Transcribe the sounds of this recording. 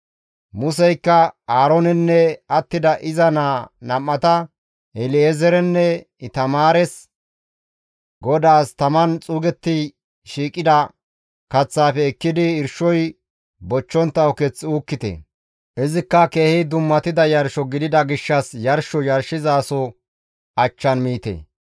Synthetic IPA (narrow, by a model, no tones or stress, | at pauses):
mʊsɛjkːɐaːɾɔnɛnːɛɐt̪ːɪd̪ɐʔɪzɐnaːnɐmːɐt̪ɐ | ɛlɪezɛɾɛnːɛ | t̪ɐmaːɾɛs | ɡɔd̪aːst̪ɐmɐnt͡sʼuːɡɛt̪ːɪ | ʃiːkʼːɪd̪ɐ | kɐt͡sːaːfɛːkːɪd̪ɪɪɾʃɔj | bɔt͡ʃːɔnt̪ːɐwkɛt͡sːɪuːkːɪt̪ɛ̰ | ʔɪzɪkːɐkeːhɪd̪ʊmːɐt̪ɪd̪ɐjɐɾʃɔɡɪd̪ɪd̪ɐɡɪʃːɐsjɐɾʃɔjɐɾʃɪzaːsɔ | ɐt͡ʃːɐnmiːt̪ḛː